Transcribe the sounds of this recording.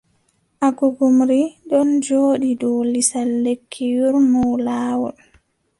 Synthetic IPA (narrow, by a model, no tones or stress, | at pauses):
ʔaɡuɡumɾiɗɔnd͡ʒoːɗidɔlisalːekʰːijuɾmɔwlaːwɔl